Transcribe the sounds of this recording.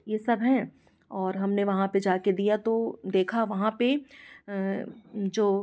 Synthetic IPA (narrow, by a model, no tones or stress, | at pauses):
jesɐbɦɛ̃ | ɔːɾɦɐmneʋɐɦãped͡ʒaːked̪ijat̪od̪eːkʰaʋɐɦãpe | d͡ʒoː